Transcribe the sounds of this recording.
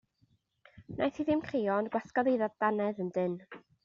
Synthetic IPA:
nʔajθiðɪmkʰriːɔnɡwaθkɔðeðaðd̥anɛðəndɪn

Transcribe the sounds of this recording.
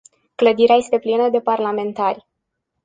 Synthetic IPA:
kləd̪iɾeaje̞st̪e̞plinəd̪e̞parlame̞nt̪arʲ

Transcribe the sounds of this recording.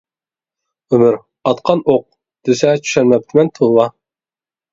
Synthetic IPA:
ymʏɾ | ɑt̪qʰɑnoq̚ | d̪̥ysɛt͡ʃʰy̥ʃæɾmɛp̚t̪ʰɪmɛnt̪ʰolˠwɑ

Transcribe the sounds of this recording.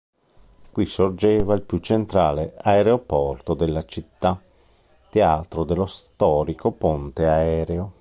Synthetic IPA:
kwisord͡ʒeːvailpjut͡ʃːent̪ɾaːleaeɾeopɔrt̪od̪elːat͡ʃit̪ːa | t̪ːeaːt̪ɾod̪elːost̪ɔːɾikopont̪eaɛːɾeo

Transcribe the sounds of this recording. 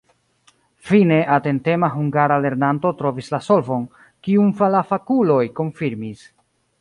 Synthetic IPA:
fine̞ʔate̞nte̞maɦuŋɡaɾale̞ɾnanto̞tɾo̞vislaso̞lvo̞n | kiumfalafakulo̞jko̞nfiɾmis

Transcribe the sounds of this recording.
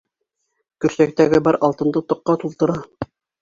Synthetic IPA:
kɵ̆ɾsæk̚t̪æɡɘbɑɾʔɑlˠt̪ɤ̆nd̪ɤt̪ŏqːɑt̪ulˠt̪ɤ̆ɾɑ

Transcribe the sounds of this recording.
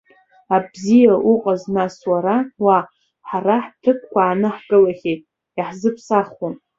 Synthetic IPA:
abzijaʔuqʼaznaswaɾawa | ħaraħtʰɨkʰʷkʷaːnɨħɡʼɨlaχʲejtʼ | iħzɨpʰsarχun

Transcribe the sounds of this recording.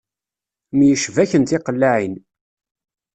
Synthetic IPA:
mjəʃvæçənt̪ɪqəlːaʕin

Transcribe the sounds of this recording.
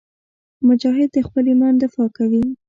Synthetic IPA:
mʊd͡ʒɑɦɪd̪̚ːəxpəlimɑnd̪ɪfɑkawi

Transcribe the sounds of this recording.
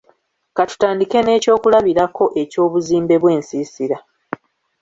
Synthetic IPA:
katu̥taːndike̞ne̞ːco̞ːkulaβiɾakʰo̞ʔe̞co̞ːβuziːmbe̞βwe̞ːnsiːsiɾa

